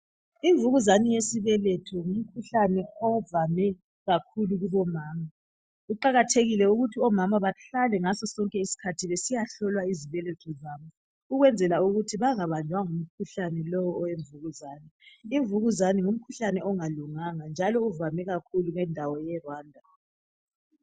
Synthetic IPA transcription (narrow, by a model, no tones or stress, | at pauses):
iɱvuɣuzanijesiβɛlɛtʰɔŋum̩kʰuɬanɛɔvamɛ | ɣakʰuluɣuβɔmaːma | uǃaɣatʰeɣilɛuɣutʰiɔmamaβaɬalɛŋasɔsɔŋkʼɛisi̥kʰatʰiβesijaɬɔlwaiziβɛlɛtʰɔzaːmu | uɣwɛnd͡zʱɛlauɣutʰiβaŋaβand͡ʒʱwaŋum̩kʰuɬanɛlɔwɔːweɱvuɣuzaːniiɱvuɣuzanɛŋum̩kʰuɬanɛɔŋaluŋaŋand͡ʒʱalɔuvamɛɣakʰuluŋɛndʱawɔjɛrwaːndʱa